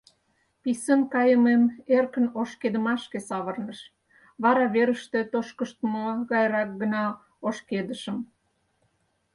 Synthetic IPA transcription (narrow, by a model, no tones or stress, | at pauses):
pisənkɑjəmemerkənoʃked̪əmɑʃkesɑβərnəʃ | βɑɾɑβeɾəʃt̪et̪oʃkəʃt̪muɣɑjɾɑk̚ɡənɑ | oʃked̪əʃəm